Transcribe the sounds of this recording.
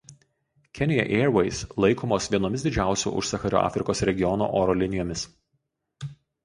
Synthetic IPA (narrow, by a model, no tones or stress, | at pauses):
kʲɛnʲɪjɛ̰ʔɛɾʋɛɪslˠɐɪkʰoːmoːsʋʲiɛnoːmʲɪsd̪ʲɪd͡ʒʲæˑʊsʲṵːʔʊ̰ʃsɐxɑɾʲṵːɑ̰ːfʲɾʲɪkoːsɾʲɛɡʲɪjɔno̰ːʔoːɾɔːlʲɪnʲɪjoːmʲɪs